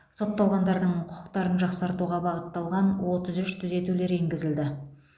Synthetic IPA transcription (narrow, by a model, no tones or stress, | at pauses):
so̞t̪ːɑlˠʁɑnd̪ɑɾd̪əɴqʰʊ̥qʰə̥qt̪ɑɾənʒɑqsɑɾt̪uʁɑbɑʁət̪ːɑlˠʁɑnwo̞t̪əzʏʃt̪ʰʏze̞t̪ule̞ɾeŋɡʲɪzɪld̪ɪ